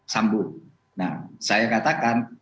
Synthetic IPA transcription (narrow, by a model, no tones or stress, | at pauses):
sambu | na̰sajakat̪akan